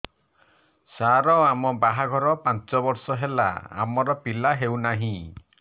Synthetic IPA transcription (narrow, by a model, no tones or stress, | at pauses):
saɾɔamɔbaɦaɡʱɔɾɔpant͡ʃɔbɔɾsɔɦela̰a̰mɔɾɔpilaɦewnaɦĩ